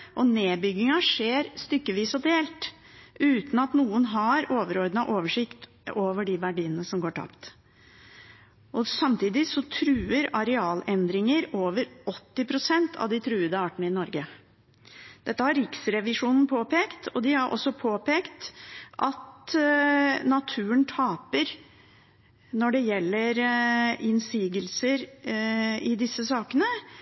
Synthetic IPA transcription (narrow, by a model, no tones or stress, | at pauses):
ʔɔneːbʏɡɪŋɑʂeːɾst̪ʏkːəʋiːsɔd̪eːlt̪ | ʉːt̪n̩ɑt̪nuːənɦɑɾoːʋəɾɔɾd̪ənɑʔoːʋəʂɪkt̪ | oːʋəɖɪʋæɖiːnnəsɔmɡoːʈʰɑ̰pt̪ | ʔɔsɑmt̪iːd̪ɪsɔt̪ʰɾʉːəɾɑɾɛɑːlɛnd̪ɾɪŋəɾoːʋəɾɔt̪ːɪpʰɾʊsɛnt̪ʰɑ̰ʋd̪ɪt̪ʰɾʉːəd̪əɑːʈəɳəɪnɔɾɡə | d̪̥ɛt̪ːəhɑɾɾɪksɾɛʋɪʂuːnn̩pʰoːpʰeːkt̪ɔd̪ɪhɑɾʔɔ̰sːɔpʰoːpeːkt̪ʔɑt̪ | nɑt̪ʰʉːəɳt̪ʰɑːpəɾ | nɔɖɛjɛlːəɾɪnsiːɡəlsəɾ | ɪd̪ɪsːəsɑːkənə